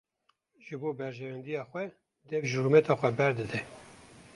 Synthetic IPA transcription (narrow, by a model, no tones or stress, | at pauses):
ʒɨboːbɛɾʒɛvɛnd̪ijɑːxwɛ | d̪ɛvʒuɾumɛt̪ʰɑːxʷɛbɛɾd̪ɨd̪ɛ